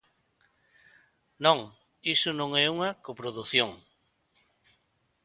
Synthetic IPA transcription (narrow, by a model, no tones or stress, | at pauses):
nõŋ | isʊnõŋɛuŋakopɾoðuθjoŋ